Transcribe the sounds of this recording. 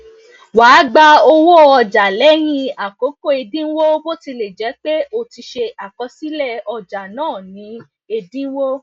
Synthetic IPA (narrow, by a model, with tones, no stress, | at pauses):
waː˨˦ɡ͡ba˧o˧wo˦ɔ˧˨d͡ʒa˨lɛ˦j̃ĩ˧a˨ko˨˦ko˦˨e˧dĩ˦wo˦bo˦ti˧le˨d͡ʒɛ˨˦k͡pe˦o˦˨ti˧ʃe˧a˨kɔ˨˧˦si˦lɛ˦˧ɔ˧d͡ʒa˨nãː˦˨nĩ˨˦ | e˧dĩ˦wo˦